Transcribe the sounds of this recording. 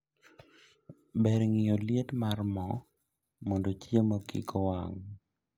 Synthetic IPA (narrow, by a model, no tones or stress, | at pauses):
bɛɾŋɪjoljetmarmɔ | mɔndot͡ʃjemakḭkɔwa̰ŋ